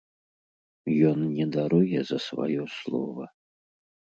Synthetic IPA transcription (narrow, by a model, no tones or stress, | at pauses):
jɔnnʲɛd̪aɾujɛzɐsva̰jɔslˠɔ̰vɐ